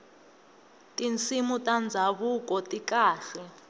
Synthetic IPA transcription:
tʼint͡simutʼand͡zʱaβukʼɔtʼikaːɬɛ

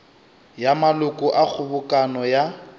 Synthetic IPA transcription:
jamalʊkʼʊʔak͡xʰʊbʊkʼanɔja

